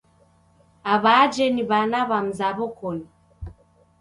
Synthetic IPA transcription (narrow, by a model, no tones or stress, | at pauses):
aβad͡ʒɛniβanaβam̩zaβɔkɔni